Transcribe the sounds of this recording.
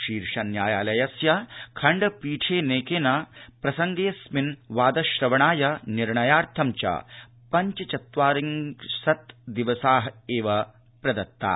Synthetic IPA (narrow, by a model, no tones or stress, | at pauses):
ʃiːɾʂɐnjaːjaːlɐjɐsjɐkʰɐɳɖɐpiːʈʰeːneːkeːnɐpɾɐsɐŋɡeːsminʋaːd̪ɐʃɾɐʋɐɳaːjɐniɾɳɐjaːɾt̪ʰɐmt͡ʃɐ̰ | pɐɲt͡ʃɐt͡ʃɐt̪ʋaːɾiŋsɐt̪d̪iʋɐsaːɦɐeːʋɐ | pɾɐd̪ɐt̪ːa̰ː